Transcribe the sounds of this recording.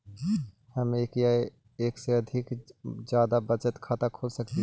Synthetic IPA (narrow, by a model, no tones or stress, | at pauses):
həmeːkjae | eːkseəd̪ʱɪkd͡ʒjaːd̪abət͡ʃət̪kʰaːt̪akʰoːlsəkt̪i